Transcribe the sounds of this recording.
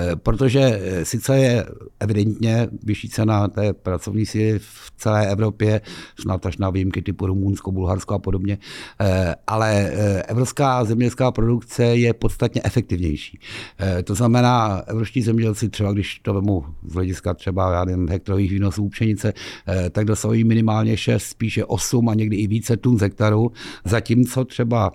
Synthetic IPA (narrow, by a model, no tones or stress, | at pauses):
pɾot̪o̞ʒɛsɪt͡sɛjɛʔɛvɪdɛnt̪ɲɛvɪʃiːt͡sɛnat̪ɛːpɾat͡so̞vɲiːsiːlɪfft͡sɛlɛːʔɛvɾo̞pjɛsnat̪aʃnavijɪmkɪt̪ɪpuɾumunskobulɦaɾskoapodo̞bɲɛ | ʔalɛʔɛvɾopskaːzɛmɲɛɛlskaːpɾo̞dukt͡sɛjɛpo̞t̪st̪at̪ɲɛʔɛfɛk̚t̪ɪvɲɛ̰jʃi̥̰ːt̪o̞znamɛnaːʔɛvɾofʃciːzɛmɲɛɟɛlt͡sɪt̪r̥ɛbaɡdɪʃt̪ovɛmuzɦlɛɟɪskat̪r̥ɛbajaːnɛvɪmɦɛk̚t̪aɾoviːxviːno̞suːupt͡ʃɛɲɪt͡sɛt̪aɡ̚dosaɦujiːmɪnɪmaːlɲɛʃɛst̪spiːʃɛʔosumaɲɛɡdɪɪviːt͡sɛt̪unzɦɛk̚t̪aɾuzaciːmt͡so̞t̪r̥ɛba